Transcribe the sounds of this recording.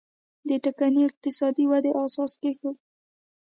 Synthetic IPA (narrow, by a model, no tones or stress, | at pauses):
d̪əʈakaniɪq̚t̪ɪsɑd̪iwad̪eʔɑsɑskexə